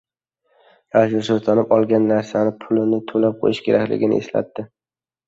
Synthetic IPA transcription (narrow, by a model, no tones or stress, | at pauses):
ɾaʒʊsozt̪ʰanɪpɒlˠɡʲanːaɾsanɪpʰʊlɪnɪt̪ʰolap̚qʰo̰jɪʃkʲʰe̞ɾakʲlɪ̰ɡʲɪnɪ̰ḛsla̰t̪ːɪ